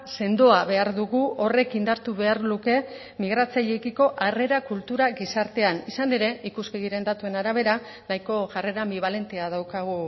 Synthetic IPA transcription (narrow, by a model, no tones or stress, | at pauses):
se̞nd̪o̞aβe̞aɾðuɣuo̞re̞kind̪aɾt̪uβe̞aɾluke̞ | miɣ̞ɾat͡saʎekiko̞ʔare̞ɾakult̪uɾaɣisaɾt̪e̞anisane̞ɾe̞ikuskeɣiɾe̞nd̪at̪ue̞naɾaβ̞e̞ɾa | najko̞ʝare̞ɾambiβ̞ale̞nt̪e̞aðawkaɣ̞u